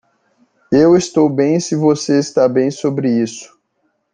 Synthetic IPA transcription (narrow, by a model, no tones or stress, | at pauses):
ewɪst̪owbẽj̃sɪvoseist̪abẽj̃sobɾɪisʊ̥